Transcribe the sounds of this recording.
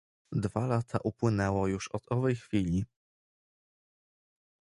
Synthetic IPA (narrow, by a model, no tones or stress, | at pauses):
d̪valat̪ʰaʔupwɘnɛwɔjuʂɔt̪ɔvɛjxfʲilʲi